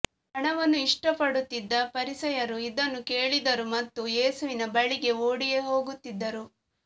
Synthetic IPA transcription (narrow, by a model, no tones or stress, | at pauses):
ɦɐɳɐʋɐnːuiʂʈɐpɐɽut̪ːid̪ːɐpɐɾisɐjɐɾuid̪ɐnːuke̞ːɭid̪ɐɾumɐt̪ːujeːsuʋinɐbɐɭiɡe̞oːɽije̞ɦo̞ːɡut̪ːid̪ːɐɾu